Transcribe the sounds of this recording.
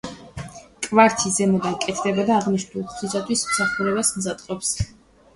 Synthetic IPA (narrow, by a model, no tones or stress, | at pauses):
kʼvaɾt̪ʰizɛmɔd̪ankʼɛt̪ʰd̪ɛbad̪aːʁniʃnulˠχχisat̪ʰwismsaχuɾɛbasmzat̪ʼqʼɔps